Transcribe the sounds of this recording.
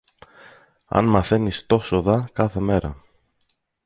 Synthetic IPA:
ɐ̰nmɐθe̞nist̪o̞soðɐkɐθe̞me̞ɾɐ

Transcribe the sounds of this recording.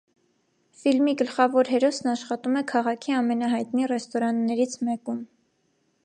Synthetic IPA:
filmiɡəlχɑvɔɾɦɛɾɔsnɑʃχɑt̪umɛkʰɑʁɑkʰiɑmɛnɑɦɑjt̪nirɛst̪ɔɾɑnːɛɾit͡sʰmɛkum

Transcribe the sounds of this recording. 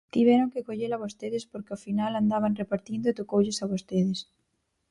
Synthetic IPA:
t̪iβɛɾoŋkekoʎelaβost̪eðespoɾkeofinaland̪aβ̞anrepaɾt̪ind̪oet̪okowʎesaβost̪eðes

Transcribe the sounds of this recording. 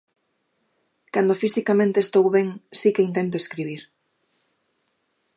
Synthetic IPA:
kand̪ofisikamẽnt̪est̪owβɛŋsikeint̪ent̪̬oeskɾiβ̞iɾ

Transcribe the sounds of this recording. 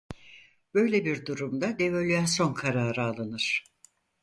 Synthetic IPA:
b̥ø̞jlʲebiɾd̪uɾumd̪ad̪e̞vølʲjaso̞nkʰaɾaːɾɯalˠɯnɯɾ̥

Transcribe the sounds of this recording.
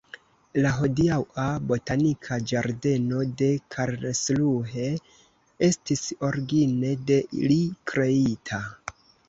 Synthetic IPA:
laɦo̞diawabo̞tanikʰad͡ʒaɾde̞no̞de̞kʰaɾnesluɦe̞ | e̞stiso̞ɾɡine̞de̞ʔḭlikɾe̞itʰa

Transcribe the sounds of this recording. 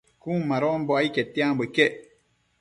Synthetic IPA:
kũːmaɾɔmbɔaiketːiãmbekɛ

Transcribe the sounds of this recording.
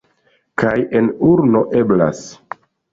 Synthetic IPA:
kʰaje̞nuɾno̞ʔe̞bla̰s

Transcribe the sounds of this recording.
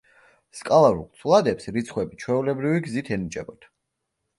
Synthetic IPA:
skʼalˠaɾṵlˠt̪sʰvlˠad̪ɛpsɾit̪sʰχwɛbit͡ʃʰwɛulɛbɾiviɡzit̪ʰɛnit͡ʃʼɛbɔt̪ʰ

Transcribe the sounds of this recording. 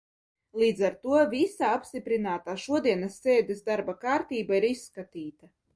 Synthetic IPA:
lˠiːd̪zaɾt̪uɔvʲisaapst̪ʲipɾinaːt̪aːʃuɔd̪iɛnɐsːeːd̪ɛsd̪aɾbakaːɾt̪iːbaiɾisːkat̪iːt̪a

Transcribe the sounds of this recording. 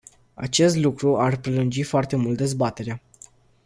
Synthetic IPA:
a̰t͡ʃe̞st̪lukɾuarpɾelund͡ʒifoart̪e̞mult̪̚d̪e̞zbat̪e̞ɾea

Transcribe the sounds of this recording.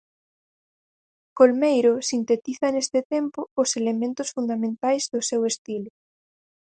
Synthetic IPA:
kolmejɾosint̪et̪iθɐnest̪et̪empoːselemẽnt̪osfund̪amẽnt̪ajzðosewest̪ilʊ

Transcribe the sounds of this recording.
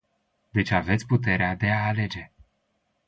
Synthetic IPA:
d̪e̞t͡ʃʲave̞t̪sʲput̪e̞ɾead̪e̞aːle̞d͡ʒe̞

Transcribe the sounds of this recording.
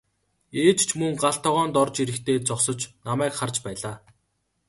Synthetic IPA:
eːt͡ɕt͡ɕʰmɵŋɢaɬt̪ʰɔʁɔːnt̪ɔrt͡ɕiɾɘ̆kt̪ʰeːt͡sɔχsɞ̆t͡ɕnamæːkχart͡ɕpæːɮaː

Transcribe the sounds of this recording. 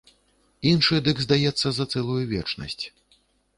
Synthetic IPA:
inʂɨd̪ɨɡzd̪ajɛt̪sːɐzɐt̪sɛlˠujuvʲɛ̰t͡ʂnɐ̰sʲt͡sʲ

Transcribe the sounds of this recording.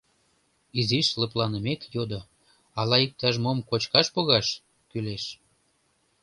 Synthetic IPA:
iziʃləplɑnəmekjod̪o | ɑlɑik̚t̪ɑʒmomkot͡ɕkɑʃpoɣɑʃ | kyleʃ

